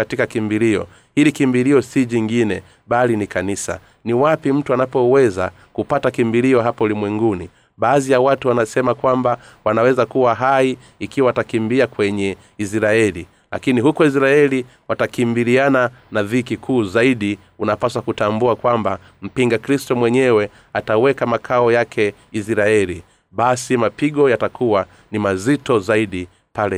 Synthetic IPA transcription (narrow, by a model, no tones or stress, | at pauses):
atikakimbiliɔ̰ | hilikimbiliɔsiʄiŋɡinɛ | ɓalinikanisa̰ | niwapim̩tuanapɔwɛza̰ | kupatakimbiliɔɦapaulimwɛŋɡuni | ɓaːðijawatuwanasɛmakwambawanawɛzakuwaɦaiː | kiwaːtakimbiakwɛɲɛ | isɾaɛlḭ | la̰kiniɦukɔis̬ɾaɛli | watakimbiliananaðiːkikʰuːzaiɗi | unapasakutambuakwamba | m̩piŋɡakɾistɔmwɛɲɛwɛ | atawɛkamakʰaɔjakʰɛ | isɾaɛli | ɓasimapiɠɔjatakʰuwa | nimazitɔzaiɗi | palɛ